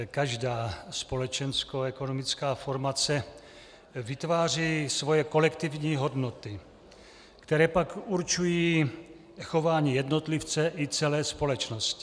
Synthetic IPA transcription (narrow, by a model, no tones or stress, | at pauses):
kaʒdaːspo̞lɛt͡ʃɛnskoɛkonomɪt͡skaːfo̞ɾmat͡sɛ | vɪt̪vaːr̝iːsvo̞jɛko̞lɛkt̪ɪvɲiːɦo̞dnot̪ɪ | kt̪ɛɾɛːpakuɾt͡ʃujiː | xo̞vaːɲiːjɛdnot̪lɪft͡sɛʔɪt͡sɛlɛːspo̞lɛt͡ʃnoscɪ